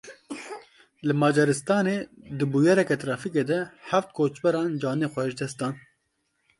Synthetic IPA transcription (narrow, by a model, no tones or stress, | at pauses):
lɨmɑːd͡ʒɛɾɨst̪ɑːneːd̪ɨbujɛɾɛkɛt̪ɾɑːfikeːd̪ɛħæft̪̚kʰoːt͡ʃbɛɾɑːnd͡ʒɑːneːxʷɛʒd̪ɛst̪d̪ɑːn